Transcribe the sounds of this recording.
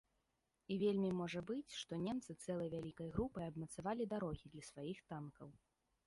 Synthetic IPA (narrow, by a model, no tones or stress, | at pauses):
ivʲelʲmʲimɔʐɐbɨt͡sʲʂt̪ɔnʲemt̪sɨt̪sɛlˠɐjvʲalʲikɐjɣɾupɐjɐbmɐt̪savalʲid̪aɾɔɣʲid̪lʲɐsvajixt̪ankɐw